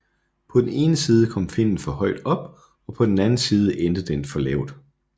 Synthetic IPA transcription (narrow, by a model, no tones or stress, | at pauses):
pʰɒ̽d̥en̩e̝ːnəsiːð̞ˠəkʰɒ̽m̰fe̝n̰n̩fɒ̽hɒ̽ɪd̥ɒ̽b̥ | ɒ̽pʰɒ̽d̥en̩ænn̩siːð̞ˠəʔend̥əð̩ˠəenfɒ̽lɛ̰ʊd̥